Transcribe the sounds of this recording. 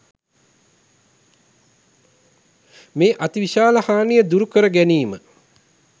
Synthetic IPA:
meːʔat̪iʋiʃaːləhaːnijəd̪uɾukəɾəɡæniːmə

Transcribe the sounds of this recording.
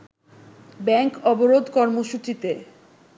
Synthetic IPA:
bɛŋkɔboɾod̪ʱkɔɾmoʃut͡ɕit̪e

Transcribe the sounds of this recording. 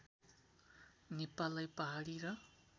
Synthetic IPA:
nepalajpaɦaɽiɾʌ

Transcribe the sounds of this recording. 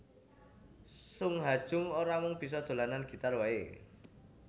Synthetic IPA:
sʊŋɦad̥ʒ̥ʊ̤ŋoɾamɔŋb̥is̬ɔd̪̥o̤lananɡ̥i̤t̪arwae

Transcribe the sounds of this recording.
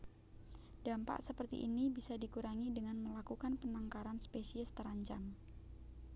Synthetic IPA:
d̥ampa̰ʔsəpərt̪ḭʔːnibisadikuɾaŋidəŋanməlakukanpənaŋkaɾanspesiəst̪əɾaɲt͡ʃam

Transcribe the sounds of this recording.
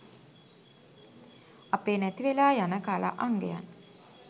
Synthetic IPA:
apeːnɛt̪iʋelaːjanəkala̰ʔaŋɡeja̰n

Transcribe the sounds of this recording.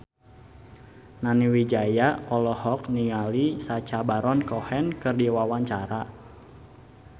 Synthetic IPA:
naniwid͡ʒajaɔlɔhɔk̚niŋalisat͡ʃabaɾɔnkɔhɛnkɨrdiwawaɲt͡ʃaɾa

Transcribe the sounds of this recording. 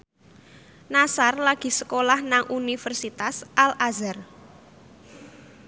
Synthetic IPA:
nasarlaɡ̥i̤səkolahnaŋʔunifərsit̪asʔalʔazər

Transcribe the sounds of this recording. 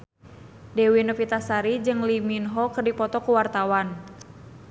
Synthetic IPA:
dɛwinofit̪asaɾid͡ʒɨŋliminɦɔkərdipɔt̪ɔkuwart̪awan

